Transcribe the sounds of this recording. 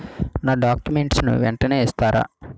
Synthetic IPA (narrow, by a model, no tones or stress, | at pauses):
naːɖaːkjumeɳʈsnṵʋɛɳʈɐneːɛst̪aːɾa̰ː